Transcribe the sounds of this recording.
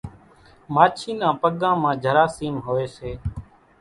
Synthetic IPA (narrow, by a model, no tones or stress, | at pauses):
maːt͡ʃʰiːnãːpəɠãːmãːd͡ʒʱəɾaːsiːmɦoːeːseː